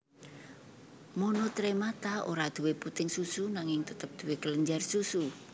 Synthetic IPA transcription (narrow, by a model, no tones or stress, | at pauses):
monot̪ɾemat̪aoɾad̪̥ṳweput̪ɪŋsusunaŋɪŋt̪ət̪əp̚d̪̥ṳwekələɲd͡ʒarsusu